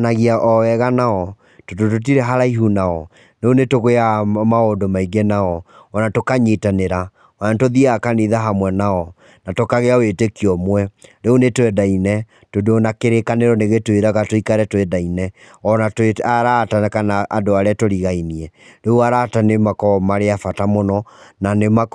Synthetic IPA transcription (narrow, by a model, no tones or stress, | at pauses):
naɣiaʔɔwɛɣanaɔ | tototot̬iɾɛɦaɾaiɦunaɔ | neonetoɣoeamaondomaiɡɛnaɔː | natokaɲetaneɾa | ɔnantoðiakaniðaɦamwɛnaɔ | natokaɣeawetekiɔmwɛɾeonetwɛdainɛ | todonakeɾekaneɾɔneɣetweɾaɣatoikaɾɛtwɛdainɛɔnateaɾataakanaʔːdoaɾeatoɾiɣainiɛɾeuaɾatanemakɔmaɾeafatamonɔnanemak